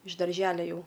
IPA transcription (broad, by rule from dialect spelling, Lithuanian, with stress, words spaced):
ɪʃ dɐrʲˈʒʲæːlʲɛ ˈjɛʊ